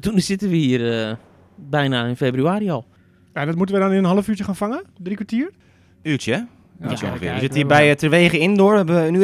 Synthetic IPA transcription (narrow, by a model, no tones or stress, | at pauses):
tunsɪtənʋəhiərə | bɛjnaɪnfeːbryaːɾiɔlˠ | jaɛndɔtmutəʋədɔnɪnənɦɔləfyːtjəxaːnfaŋədrikʋatiər | yːtjə | ijəo̰ŋəfɪ̰ːəsɪtəiːbɛjtərʋeːɣəɪndoɹɛbəʋəny